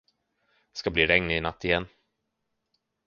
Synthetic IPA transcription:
skabliːɾɛŋnɪnat̪ʰːɪjɛnː

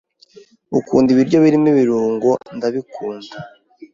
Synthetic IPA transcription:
ukuːndiβiɾɟo̞βiɾimiβiɾuːŋɡondaβikuːnda

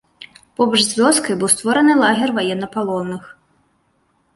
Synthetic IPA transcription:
pɔbɐʐzʲvʲɔskɐjbɨwst̪vɔɾɐnɨlˠaɣʲɛrvajɛnːɐpalˠɔnːɨx

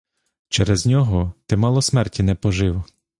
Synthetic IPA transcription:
t͡ʃɛɾɛznʲɔɦɔt̪ɪmɑlˠɔsmɛrtʲinɛpɔʒɪwɔ

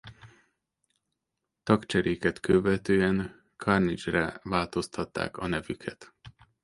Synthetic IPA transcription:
t̪ɒkt͡ʃɛɾeːkɛt̪kʰøvɛt̪øːɛn | kʰɒrnit͡ʃrɛvaːlt̪o̞st̪ʰɒt̪ːa̰ːkɒnɛvykʰɛt̪

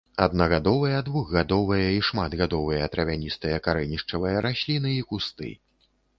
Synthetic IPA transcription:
ɐ̰d̪̚nɐɣad̪ɔvɨjɐd̪vuɣɣad̪ɔvɨjɐiʂmad̪ɣad̪ɔvɨjɐt̪ɾɐvʲanʲist̪ɨjɐkaɾɛnʲiʂt͡ʂɐvɨjɐɾasʲlʲinɨikust̪ɨ̰

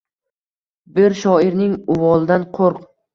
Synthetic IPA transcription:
bɪɾʃɒɪɾnɪŋʊvɒlˠd̪anqʰoɾq

